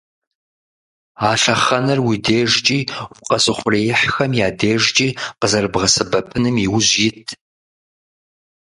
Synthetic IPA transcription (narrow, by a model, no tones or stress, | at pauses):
aːɬɐχɐnɐrwideːʒt͡ʃʼiːʊqʼɐsʼɨχʷʊreːjɪħxɐmjaːdeːʒt͡ʃʼiːqəzɐrbʁɐsɨbɐpʰɨnɨmiwʊʑjɪtʰ